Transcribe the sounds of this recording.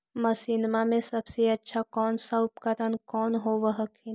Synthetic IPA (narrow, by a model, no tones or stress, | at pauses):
mɐsiːnmamẽsɐbseɐtːʃʰakɔːnsaʊpkəɾənkɔːnɦoʋəɦəkʰin